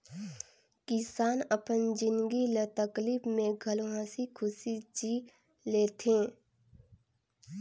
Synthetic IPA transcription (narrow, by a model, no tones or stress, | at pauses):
kɪsaːnəpənd͡ʒɪnɡilət̪əkliːbmẽɡʱɐlɦãːsikʰʊsid͡ʒi | leːt̪ʰẽː